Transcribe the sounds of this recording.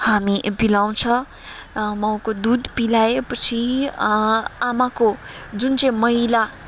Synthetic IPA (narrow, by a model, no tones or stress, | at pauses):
hamibilaw̃t͡sʰʌ | mʌw̃kod̪ud̪pilaepʌt͡sʰi | amakod͡zunt͡sʌĩmʌɦila